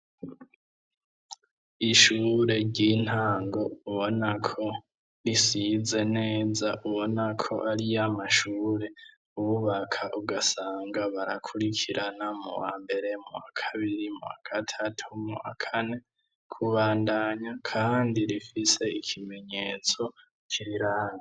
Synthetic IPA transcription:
iʃuːɾe̞ɾɟin̥haːŋɡo̞uβo̞nakʰo̞ | ɾisize̞ne̞ːzaʔuβo̞nakʰo̞ʔaɾijamaʃuːɾe̞ | uβuβakʰaʔuɡasaːŋɡaβaɾakʰuɾikʰiɾʔanamṵwa̰ːmbe̞ɾe̞mṵwa̰kʰaβiɾimṵwakʰatʰatʰumuwa̰kʰane̞ | kʰuβaːndaɲakʰaːndiɾifise̞ikʰime̞ɲe̞t͡so̞ | kʰiɾiɾaːna

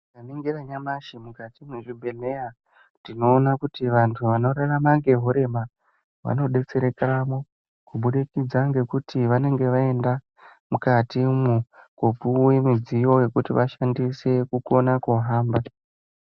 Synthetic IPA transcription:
kamiŋɡiraɲamaʃimukatimwuʐibʱemeja | tino̞ːnakutiʋantʰuʋano̞ɾaramaŋɡe̞ɦoɾe̞ma | ʋa̰no̞ɗe̞t͡se̞ɾekaramo | kuɓuɗikid͡zaŋɡe̞kutʰiʋane̞ŋɡe̞ʋae̞nda | mukatimukopuwemid͡zijo̞je̞kutiʋaʃandise̞kuko̞nakoɦaːmba

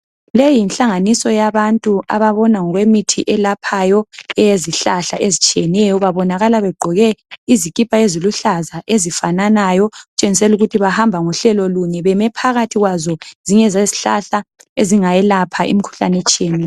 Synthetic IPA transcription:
lejinɬaŋanisɔjaβantʼua̰βaβɔnaŋɔɣwemitʰiʔɛlapʰajɔɛjeziɬaɬa̰ʔezit͡ʃʼiɛnɛjɔβaβɔnaɣalaβɛɡ͡ǃʱɔɣɛizikʼipʰʼaeziluɬazaʔezifananajɔɣut͡ʃʼeŋisɛluɣutʰiβahambʱaŋuɬɛlɔluɲɛβɛmɛpʰaɣatʰiɣwazɔziɲɛzeziɬa̰ɬaeziŋajɛlapʰaʔḭmikʰu̥ɬa̰nɛt͡ʃʼiɛnɛ

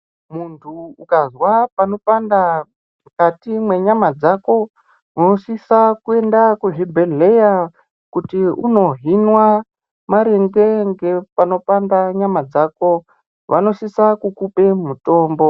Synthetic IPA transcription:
muntʰuukazwapano̞panda | mkatimwe̞ɲamad͡zako̞ | uno̞sisakue̞ndakuɦibʱeleja | kutiuno̞ɦinwa | maɾeŋɡe̞ŋɡe̞pano̞pandaɲamad͡zaːko̞ | ʋano̞sisakukupe̞muto̞ːmbo̞

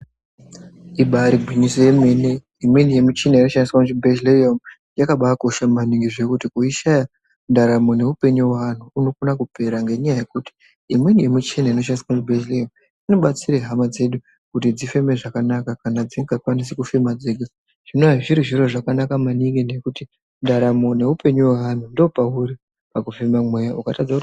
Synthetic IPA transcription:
iɓaɾiɡʱwiɲisojeme̞ne | imwe̞nije̞mut͡ʃinaino̞ʃandiswamutibʱeʃleomu | jakaɓako̞ʃamaniŋɡiʐe̞kutikuiʃaja | ndaɾamo̞ne̞upe̞ɲuwan̤uːno̞kunakupe̞ɾaŋɡe̞ɲajaje̞kuti̥ | imwe̞nije̞mut͡ʃinaino̞ʃaniswamutibʱed͡ʒleom | ino̞ɓat͡siɾeɦamad͡ze̞ɗu | kutid͡zife̞me̞ʐakanakakanad͡ziŋɡakwanis̬ikufemad͡zeɡa | ʐ̥inoaʐiɾiʐiɾo̞ʐakanakamaniŋɡine̞kuti | ndaɾamo̞ne̞upe̞ɲuwaan̤undo̞pauɾi | pakufemamwejaukatad͡zau

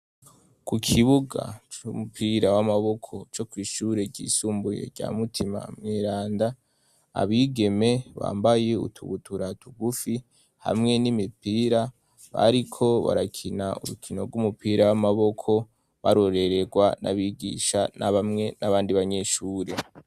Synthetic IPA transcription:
kukʰiβuɡa̰t͡ʃumupʰiːɾawamaβo̞kʰo̞t͡ʃo̞kwiːʃuːɾe̞ɟḭːsuːmbuje̞̰ɾɟa̰ːmutʰima̰mŋeːɾaːnda | a̰βiːɡe̞me̞βa̰ːmbaje̞ṵtʰṵβutʰuɾatuɡufi | ha̰mŋe̞nimipiːɾa | βa̰ɾikʰo̞βa̰ɾakʰinaṵɾukʰino̞̰ɾɡumupiːɾawamaβo̞kʰo̞ | βaɾo̞ɾe̞ɾe̞ɡwanʔa̰βiːɡḭːʃanʔaβamŋe̞naβaːndiβaɲe̞ʃuːɾe̞

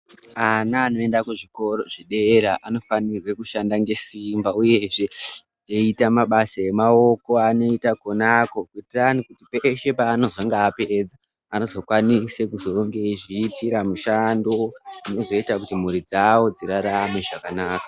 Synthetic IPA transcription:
anaːno̞e̞ndakuʐiko̞ɾo̞ʐiɗeɾaʔano̞fanirwekuʃandaŋɡe̞simbauje̞ʐe̞ | eitamaɓasaje̞mao̞ko̞ano̞itakonako̞kuitiranikutipeʃe̞paːno̞zoŋɡaːped͡za | ano̞zo̞kwanisekuzo̞ŋɡeʐiːtiɾamuʃando̞ino̞zo̞itakutimuɾid͡zawo̞d͡ziɾaɾame̞ʐakanaːkḁ

